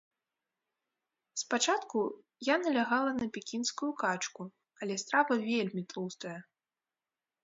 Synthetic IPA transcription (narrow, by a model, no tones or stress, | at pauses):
spat͡ʂat̪ku | janɐlʲaɣalˠɐnɐpʲɛkʲinskujukat͡ʂku | ɐlʲɛst̪ɾavɐvʲelʲmʲit̪lˠust̪ɐjɐ